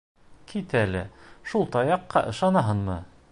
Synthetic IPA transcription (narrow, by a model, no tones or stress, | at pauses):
kʰit̪ælɘ̰ʃulˠt̪ɑjɑqːɑ̰ʔɤ̆ʃɑnɑɦɤnmɤ